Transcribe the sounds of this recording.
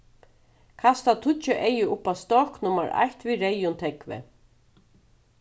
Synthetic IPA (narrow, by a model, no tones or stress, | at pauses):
kʰast̪at̪ʰʊt͡ʃːʏʔejʏʔʊpast̪ɔknʊmaɹa̰jht̪viɾejʊnt̪ʰɛkvɪ̰